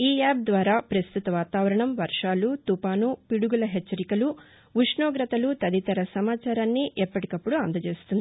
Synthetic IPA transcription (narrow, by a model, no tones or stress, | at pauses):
iːaːb̚d̪ʋaːɾaːpɾɐst̪ʰut̪ɐʋaːt̪aːʋɐɾɐɳɐmʋɐɾʂaːlut̪upaːnupiɽuɡulɐɦɛt͡ʃːɐɾikɐlu | ʋuʂɳoːɡɾɐt̪ɐlut̪ɐd̪it̪ɐɾɐsɐmaːt͡ʃaːɾaːnːiʔɛpːɐʈikɐpːuɽuɐnd̪ɐt͡ʃeːst̪und̪ii